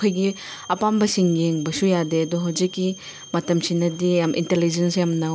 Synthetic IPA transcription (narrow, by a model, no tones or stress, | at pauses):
kʰojɡi | ɐpambɐsiŋɡeŋbɐsujadeɐdɔɦawzikːi | mɐtɐmsinɐdijamʔḭntelid͡ʒensjamnɐ